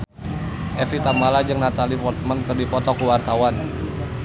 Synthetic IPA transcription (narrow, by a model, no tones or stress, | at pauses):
ʔɛfit̪amalad͡ʒɨŋnat̪alipɔrt̪̚mankɨrdipɔt̪ɔkuwart̪awan